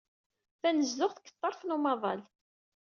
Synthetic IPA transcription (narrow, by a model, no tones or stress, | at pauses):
θænəzːʊχθkːə̥t̪ˤːɑɾˤθnumɑðˤɑ̰l